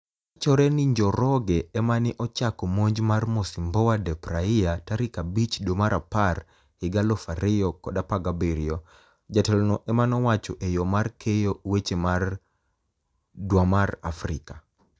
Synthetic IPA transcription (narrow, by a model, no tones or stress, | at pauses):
at͡ʃɔɾɛnɪɲd͡ʒɔɾɔɡɛɛmanɪʔɔt͡ʃakɔmoɲd͡ʒmarmosimbɔwadɛpɾaɪjataɾikabit͡ʃdomaɾapar | hɪɡalɔfaɾɪjɔkɔdapaɡabeɾɪɔ | d͡ʒatɛlɔnɔʔɛmanɔwat͡ʃɔʔejɔmarkʰejowet͡ʃemar | dwamara̰fɾḭka